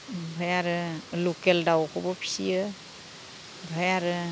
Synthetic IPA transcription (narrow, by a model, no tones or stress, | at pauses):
bʱajaɾɯlukeldawkʰɔbɔpʰi̥sijɯ | bʱajaɾɯ